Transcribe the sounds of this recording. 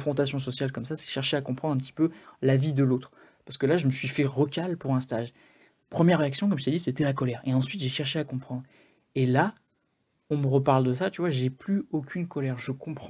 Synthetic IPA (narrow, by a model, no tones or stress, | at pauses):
fχɔ̃t̪asjɔ̃s̬ɔsjalkɔmsasɛ̥ʃɛʁʃeakɔ̃pχɑ̃d̪ʁɛ̃p̬t̪i̥pølavid̪əlot̪χ | paʁsə̥kəlaʒəməsɥifɛʁɔkalpuʁɛ̃st̪aʒ | pχəmjɛʁːeaksjɔ̃k̬ɔmʒət̪ɛd̪iset̪ɛlakɔlɛʁeɑ̃sɥit̪ʒeʃɛʁʃeakɔ̃pχɑ̃d̪ʁ | ela | ɔ̃məʁəpaʁld̪əsat̪yvwaʒeplyokʲʰynkɔlɛʁʒəkɔ̃pχ